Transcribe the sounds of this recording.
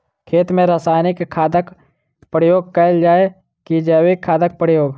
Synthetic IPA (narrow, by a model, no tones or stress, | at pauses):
kʰeːt̪mẽɾəsaːnɪkʰːaːd̪ək | pɾəjoːɡ̚kəld͡ʒaːe | kid͡ʒaːwekʰːaːd̪ək̚pɾəjoːɡ